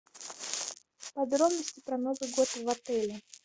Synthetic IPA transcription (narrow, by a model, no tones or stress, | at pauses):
pɐd̪ɾobnəsʲtʲɪpɾɐnozɨɡot̪vɐt̪ɛlʲɪ